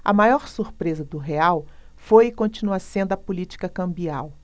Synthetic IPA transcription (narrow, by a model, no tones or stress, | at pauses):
ɐ̰majɔɾsuɾpɾezɐd̪ʊɦeaw | fojɪkõnt͡ʃinuɐsẽnd̪ʊɐpulit͡ʃi̥kɐkɐ̃mbiaw